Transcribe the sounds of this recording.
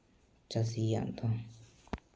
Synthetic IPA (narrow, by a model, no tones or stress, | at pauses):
t͡ʃasija̰nd̪o